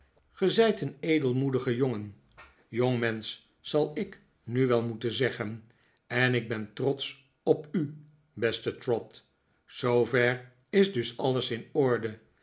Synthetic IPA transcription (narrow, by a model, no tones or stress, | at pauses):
χəzɛjtənejdəlˠmudəχəjoŋən | joŋmɛns | sɑlˠɪk | nyʋɛlˠmutəzɛχən | ɛnɪɡ̚bɛntrɔts | ɔpy | bɛstətrɔt | sowvɛɹ | ɪzdɵsɑlˠəsɪnɔɹdə